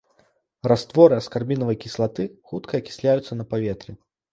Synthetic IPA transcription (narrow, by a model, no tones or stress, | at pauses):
rast̪vɔɾɨɐskarbʲinɐvɐjkʲislˠat̪ɨxut̪kʰɐːkʲi̥sʲlʲajut̪sːɐnɐpavʲɛt̪ɾʲi